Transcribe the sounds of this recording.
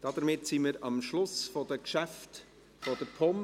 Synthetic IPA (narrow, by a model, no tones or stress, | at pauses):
d̥ɑd̥əɾmɪtsimiɾɑmʃlʊsfɔd̥əkʃæft | fɔdəɾpʰɔm